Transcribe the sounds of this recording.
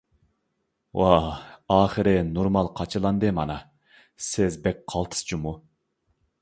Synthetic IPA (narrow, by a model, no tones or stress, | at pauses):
wɑɑːχɨɾɨnoɾmɑlˠqʰɑt͡ʃʰɨlˠɑnd̪ɨmɑnɑ | sɪzbɛk̚ʲqʰɑlˠt̪ʰɨ̥st͡ʃʰumu